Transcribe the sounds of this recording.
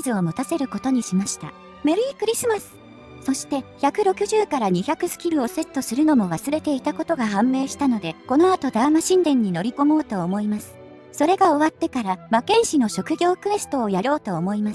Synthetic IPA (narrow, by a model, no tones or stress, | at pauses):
zɨo̞mɯ̟t̪ase̞ɾɯ̟ko̞t̪o̞ɲ̟iɕimaɕi̥t̪a̰ | me̞ɾɯ̟iːkɯ̟ɾʲisɨmasɨ̥ | so̞ɕi̥t̪e̞çakɯ̟ɾo̞kɯ̟ʑɨːkaɾaɲ̟içakɯ̟sɨ̥kʲiɾɯ̟o̞se̞t̪ːo̞sɨɾɯ̟no̞mo̞β̞asɨɾe̞t̪e̞it̪ako̞t̪o̞ɡaɦãmːe̞ːɕi̥t̪ano̞d̪e̞ko̞no̞at̪o̞d̪amaɕĩnd̪ẽ̞ɲ̟ːino̞ɾʲiko̞mo̞ːt̪o̞ːmo̞imasɨ̥ | so̞ɾe̞ɡaoβat̪ːe̞kaɾamakẽ̞ɰ̃ɕino̞ɕo̞kɯ̟ɡʲo̞ːkɯ̟e̞sɨ̥t̪o̞ːjaɾo̞ːt̪o̞ːmo̞imasɨ̥